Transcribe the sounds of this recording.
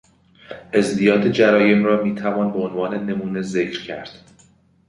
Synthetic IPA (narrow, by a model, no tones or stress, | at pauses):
ʔezd̪ijɒːt̪ʰed͡ʒæɾɒːje̞mrɒːmiːt̪ʰævɒːnbe̞onvɒːne̞ne̞muːne̞ze̞cʰɾcʰæɾd̪̥